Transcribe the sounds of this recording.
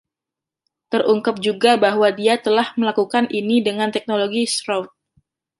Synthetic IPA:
t̪ərʔuŋkəp̚d͡ʒuɡabaɦwadiat̪əlahməlakukanʔinidəŋant̪ɛk̚noloɡisɾowt̪̚

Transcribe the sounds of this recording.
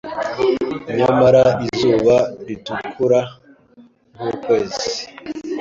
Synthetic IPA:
ɲamaɾaizuːβaɾitukʰuɾa | muːkwe̞ːzi

